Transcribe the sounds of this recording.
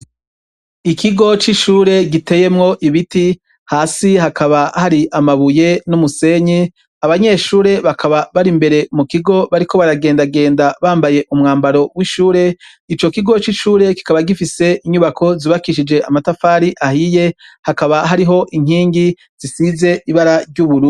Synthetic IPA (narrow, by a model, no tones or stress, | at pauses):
ikʰiɡo̞t͡ʃiʃuːɾe̞ɡite̞je̞mŋo̞ʔiβiti | haːsiɦakaβahaɾiʔamaβuje̞numuse̞ɲi | aβaɲe̞ʃuːɾe̞βakʰaβaβaɾimbe̞ɾe̞mukiɡo̞βaɾiko̞βaɾaɡe̞ːndaɡe̞ːndaβaːmbaje̞ʔumŋaːmbaɾo̞wiʃuːɾe̞ | it͡ʃo̞kiɡo̞t͡ʃiʃuːɾe̞ki̥kaβaɡifise̞ʔiɲuβakʰo̞ziβakiʃid͡ʒe̞ʔamatafaːɾiʔahije̞hakaβaɦaɾiɦo̞ʔiŋ̥iːŋɡi | z̥isize̞iβaɾaɾɟuβuɾu